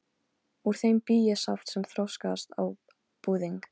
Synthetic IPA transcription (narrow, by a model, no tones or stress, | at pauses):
uɾ̥θejmpiːjɛsaft̪sɛmθɾɔwskast̪a̰w | puːðiŋk